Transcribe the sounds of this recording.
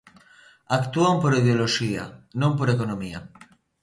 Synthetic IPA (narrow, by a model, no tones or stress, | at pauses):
akt̪uampoɾiðeoloʃia̰nõmpoɾekonomia̰